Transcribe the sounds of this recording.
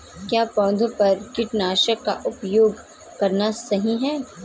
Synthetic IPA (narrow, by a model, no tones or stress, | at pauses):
kjaːpɔ̃ːd̪ʱõpɐɾkɪʈnaːʃəkːaʔʊpjoːɡ | kɐɾnasɐɦĩɦɛː